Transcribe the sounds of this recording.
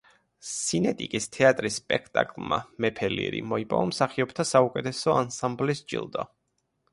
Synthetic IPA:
sinɛt̪ʼikʼist̪ʰɛat̪ʼɾisːpʼɛkʰt̪ʼa̰kʼlˠma̰mɛpʰɛlḭɾḭmɔipʼɔ̰ɔmsaχiɔbt̪ʰasaukʼɛt̪ʰɛsɔansamblisd͡ʒʼḭlˠd̪ɔ̰

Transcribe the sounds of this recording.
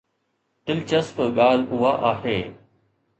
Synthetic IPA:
t̪ɪlt͡ʃəsfɠaːl̤ʊɦaʔaːɦeː

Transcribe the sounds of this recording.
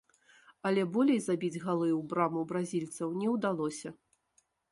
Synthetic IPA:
ɐlʲɛbɔlʲejzabʲid͡zʲɣalˠɨwbɾamubɾazʲilʲt̪sɐwnʲɛwd̪alˠɔsʲɐ

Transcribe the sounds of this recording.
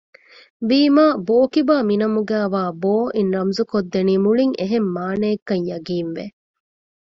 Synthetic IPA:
ʋiːmaːboːkibaːminɐmuɡæːʋaːboːʔinɾɐmzukod̪ːeniːmuɭiŋeɦemːaːneːkːɐɲjɐɡiːnʋḛ

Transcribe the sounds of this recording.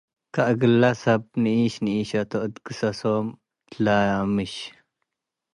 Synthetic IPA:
kaʔɡɨlːasɐb̚niiʃniiʃɐt̪oʔɨd̪kɨsɐsom | laamɨʃ

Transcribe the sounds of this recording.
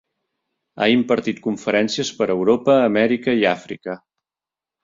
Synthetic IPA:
a̰impəɾt̪it̪̚kuɱfəɾɛnsiəspəɾəwɾopəːmɛɾikəiafɾḭkə

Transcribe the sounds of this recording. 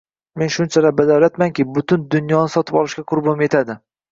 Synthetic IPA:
me̞nʃʊnt͡ʃʰalabad̪awlat̪maŋkʲɪbʊt̪ʊnd̪ʊnjɒnɪsɒt̪ʰɪpɒlˠɪʃkʲaqʰʊɾbɒmje̞t̪ʰad̪ɪ

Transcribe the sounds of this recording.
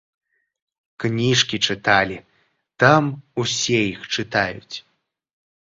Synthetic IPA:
knʲiʂkʲit͡ʂɨt̪alʲi | t̪amusʲɛjixt͡ʂɨt̪ajut͡sʲ

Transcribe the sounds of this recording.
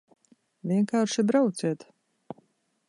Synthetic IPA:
vʲiɛŋkaːɾʃibɾawt̪sʲɛt̪

